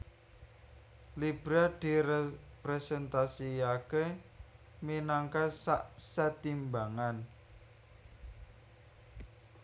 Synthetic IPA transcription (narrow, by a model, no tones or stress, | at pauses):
lib̥ɾad̪̥i̤pɾɛsɛnt̪asiake | minaŋkasaʔsat̪imbaŋan